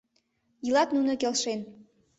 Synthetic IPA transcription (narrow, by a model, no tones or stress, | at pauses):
jɯlɑt̪nunɤ̆kelʃen